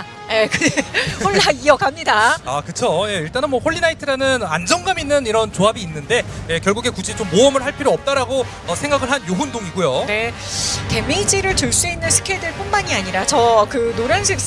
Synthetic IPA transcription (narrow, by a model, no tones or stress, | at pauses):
jekɯehoaijʌɡamɲidaakɯt͡ɕʰoje̞iɭt͈anɯnmwʌɸoɭːinaitʰɯɾanɯnand͡ʑʌŋɡaminːɯniɾʌnt͡ɕoɦabiːnːɯnde̞jekjʌɭɡuɡe̞kud͡ʑit͡ɕomːoʌmɯɭɦaɭpʰiɾoʌp̚t͈aɾaɡo | ʌsʰe̞ŋɡaɡɯɭɦanjoɦundoŋiɡujone | te̞mid͡ʑiɾɯɭtɯɭs͈uinːɯnsʰɯ̥kʰedɯɭpʰonmaɲiaɲiɾat͡ɕʌkɯnoɾjʌnɕʰik̚